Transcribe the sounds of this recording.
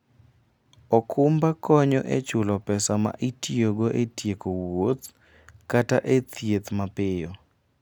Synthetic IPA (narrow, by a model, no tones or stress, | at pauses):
ɔkʰʊmbakɔɲɔ̰ʔet͡ʃʊlɔpɛsama̰ʔitioɡoʔetjekowot̪ | kataʔet̪ʰjet̪mapɪjɔ